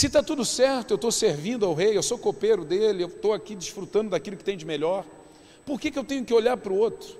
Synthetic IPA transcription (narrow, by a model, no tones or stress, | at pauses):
sɪt̪at̪ud̪ʊsɛɾt̪ʊewt̪oseɾvĩnd̪ʊawɦejewsokopejɾʊd̪elɪewt̪owakid͡ʒiʃfɾut̪ɐ̃d̪ʊd̪akilʊkɪ̥t̪ẽj̃d͡ʒɪmeʎɔɾ | poɾkekɪewt̪ẽɲʊkɪoʎaɾpɾʊot̪ɾʊ